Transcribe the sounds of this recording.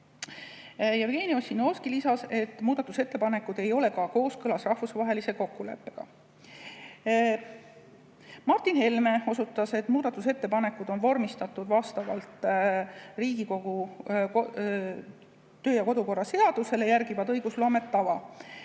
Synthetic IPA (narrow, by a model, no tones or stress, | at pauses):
jɑvɡ̥e̞ːnio̞sʲino̞skilisɑse̞t̪ːˑmuːd̪̥ɑt̪ːˑuse̞t̪ːe̞pɑne̞kːˑud̪e̞jo̞le̞kɑko̞ːskɤlɑsrɑhfusvɑɦe̞lise̞ko̞kːule̞̰pːe̞ɡ̥ɑ̰ | mɑrt̪inhe̞lme̞o̞sut̪ːˑɑse̞t̪ːmuːd̪ɑt̪ːˑuse̞t̪ːe̞pɑne̞kːˑud̪̥o̞nvo̞rmist̪ɑt̪ːˑud̪vɑst̪ɑvɑ̰lt̪ˑ | riːɡiko̞ɡ̥u | t̪ø̞ːjɑko̞d̪uko̞rːɑse̞ɑd̪̥use̞le̞jæɾɡivɑt̪ɤjɡuslo̞ːme̞t̪ːɑvɑ